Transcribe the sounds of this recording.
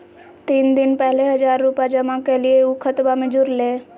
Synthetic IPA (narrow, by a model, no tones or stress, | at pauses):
t̪iːnd̪ɪnpɛɦleɦəzaːɾːupad͡ʒəmãkelieukʰət̪bamẽd͡ʒuɾle